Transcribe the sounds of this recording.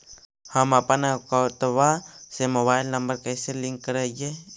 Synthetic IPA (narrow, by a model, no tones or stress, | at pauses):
hamapanakaut̪awasemawailːambarkaiseliŋkəɾaje